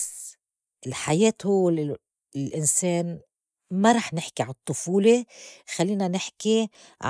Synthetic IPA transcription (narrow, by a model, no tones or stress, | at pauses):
s | ʔɪlħajeːt̪hʊwːe | lʔɪnseːn | maɾˤɑːħnɪħkiʕant̪ˤːʊfuːlexalːiːnanɪħki | ʕ